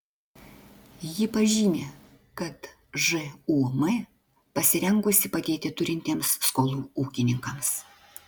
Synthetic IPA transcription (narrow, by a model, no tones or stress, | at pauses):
jɪpɐʒʲɪnʲeː | kɐt̪ | ʒɨuːmɐ | pɐsʲɪɾʲɛŋɡʊsʲɪpɐɡʲeːt̪ʲɪt̪ʊɾʲɪnʲt̪ʲeːmsːkoːlˠuːuːkʲɪnʲɪŋkɐms